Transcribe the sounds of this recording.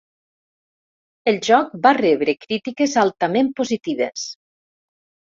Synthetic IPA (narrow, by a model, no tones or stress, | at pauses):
elˠʒɔk̚bareβɾekɾit̪ikezalˠt̪amempozit̪iβ̞es